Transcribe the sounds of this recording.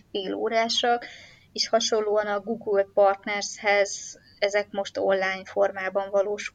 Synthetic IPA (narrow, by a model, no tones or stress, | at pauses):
feːloːɾaːʃɒk | eːʃhɒʃo̞llːoːɒnɒɡuɡulpɒrt̪nɛrshɛz | ɛzɛkmo̞ʃt̪onlaːjɲfo̞rmaːbɒɱvɒloːʃ